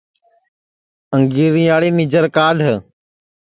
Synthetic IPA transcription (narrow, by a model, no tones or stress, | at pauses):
əŋɡiːɾĩːaːɽeːmiːd͡ʒəɾkaːɖʱ